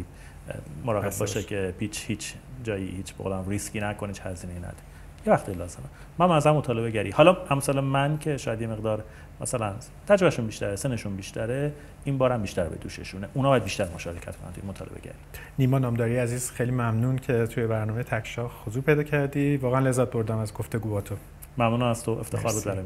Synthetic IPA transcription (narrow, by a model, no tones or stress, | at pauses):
i | moɾɒːɣe̞b̚bɒːʃecʰepʰiːt͡ʃʰhiːt͡ʃʰd͡ʒɒːjḭhiːt͡ʃʰbeɣo̰læmriskʲiːnækonhit͡ʃhæziːnejiːnæ̰d̪e | jevæxt̪ijlɒːzemæ | mːænbenæzæɾæmot̪ʰɒːle̞beɟæɾḭhɒlɒæmsɒːlemæncʰe̞ʃɒːjæd̪je̞me̞ɣd̪ɒːɾ | mæsælæn | t̪ʰæd͡ʒvæʃunbiːʃt̪æɾeseneʃunbiːʃt̪ʰæɾe | imbɒːɾæmbiːʃt̪æɾbḛd̪ṵːʃḛʃuneʔunɒbɒjæd̪̚biːʃt̪æɾmoʃɒ̰ːɾecʰæ̰t̪kʰonæ̰nt̪uinmot̪ʰɒ̰ːlebḛɟæ̰ɾiniːmɒːnɒːmd̪ɒːɾijæziːz̥xejlimæmnuncʰe̞t̪ʰujebæɾnɒːmejet̪ʰækʰʃɒːhhozuːpʰe̞jd̪ɒːcʰæɾd̪ivɒːɣeænle̞zːæt̪̚boɾd̪æmæzɡoft̪eɡuːbɒːt̪ʰo | mæmnuːnæmæz̥t̪ʰoʔe̞ft̪ʰexɒːɾbud̪bæɾj